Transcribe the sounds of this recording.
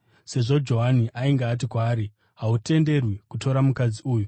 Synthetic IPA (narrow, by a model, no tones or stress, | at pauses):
se̞ʐo̞d͡ʒo̞ɦaniʔaiŋɡaːt̬ikwaːɾi | ɦaute̞nde̞rwikuto̞ɾamukad͡ziuːju